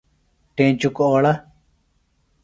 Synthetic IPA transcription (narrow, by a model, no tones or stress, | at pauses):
ʈẽːt͡ɕukoːɭɐ